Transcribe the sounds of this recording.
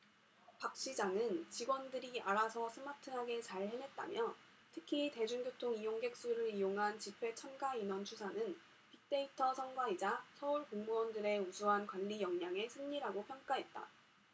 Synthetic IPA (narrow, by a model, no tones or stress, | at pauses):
pak̚ɕ͈id͡ʑaŋɯnt͡ɕiɡwʌndɯɾiaɾasʰʌsʰɯmatʰɯɦaɡe̞t͡ɕaɭhene̞t̚t͈a̰mjʌ | tʰɯkʰite̞d͡ʑuŋɡjotʰoŋijoŋɡe̞k̚s͈uɾɯɾijoŋɦant͡ɕipʰwe̞t͡ɕʰʌnɡainwʌnt͡ɕʰusʰanɯn | pik̚t͈e̞itʰʌsʰʌŋɡwaid͡ʑasʰʌuɭkoŋmuʌndɯɾe̞usʰuɦankwanːijʌŋɲaŋe̞sʰɯŋɲiɾaɡopʰjʌŋk͈aɦet̚t͈a̰